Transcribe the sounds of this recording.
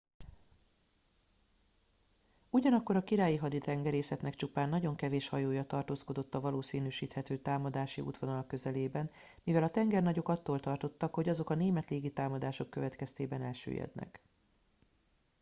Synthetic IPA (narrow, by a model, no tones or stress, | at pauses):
uɟɒnɒkːo̞ɾɒkiɾaːjiɦɒd̪it̪ɛŋɡɛɾeːsɛt̪nɛkt͡ʃupaːnːɒɟo̞ŋkɛveːʃhɒjoːjɒt̪ɒrt̪oːsko̞d̪o̞t̪ːɒvɒloːsiːnyʃiːt̪hɛt̪øːt̪aːmɒd̪aːʃḭʔṵt̪ʋo̞nɒlɒkːø̞zɛleːbɛn | mivɛlɒt̪ɛŋɡɛrnɒɟo̞kɒt̪ːoːlt̪ɒrt̪o̞t̪ːɒkho̞ɟɒzo̞kɒneːmɛt̪leːɡit̪aːmɒd̪aːʃo̞kːø̞vɛt̪kɛst̪eːbɛnɛlʃø̰ːjɛ̰d̪nɛ̰k